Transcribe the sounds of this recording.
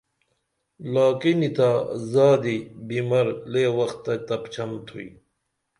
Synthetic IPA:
laːkinit̪azaːd̪ibimɐɾleːwɐxt̪ːɐt̪ɐpt͡ɕʰɐmt̪ʰui

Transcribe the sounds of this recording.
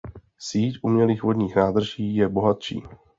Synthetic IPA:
siːcʔumɲɛliːxvo̞dɲiːxnaːd̪r̩ʒiːjɛbo̞ɦat̪ʃḭː

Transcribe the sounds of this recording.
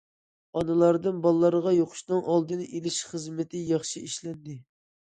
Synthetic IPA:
ɑnɨlˠɑɾd̪ɨnbɑlˠːɑɾəʁɑjoqʰʊ̥ʃnɨŋʔɑlˠd̪ɨnɨʔelɪʃχəzmɪt̪ʰɪjɑχʃiiʃlɛnd̪ɪ

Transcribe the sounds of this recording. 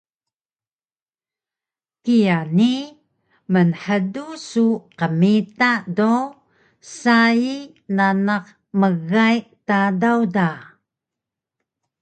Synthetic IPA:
kijani | mənħədusuqəmitado | sai | nanaq | məɣajtadawda

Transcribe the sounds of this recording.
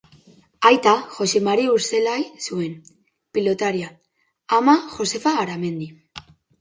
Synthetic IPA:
ajt̪axo̞se̞maɾiuɾse̞lajsue̞n | pilo̞t̪aɾia | amaxo̞se̞faːɾame̞nd̪i

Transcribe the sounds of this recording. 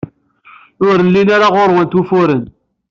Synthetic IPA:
ʊɾnlinaɾaʁoɾˤwənt̪ufʊɾən

